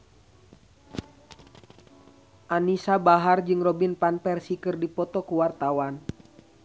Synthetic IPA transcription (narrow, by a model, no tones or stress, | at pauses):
ʔanisabaɦard͡ʒɨŋrɔbinpanpɛrsikɨrdipɔt̪ɔkuwart̪awan